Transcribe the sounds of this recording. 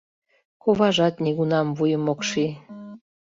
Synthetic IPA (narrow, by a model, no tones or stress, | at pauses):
koβɑʒɑt̪niɣunɑmvujəmokʃi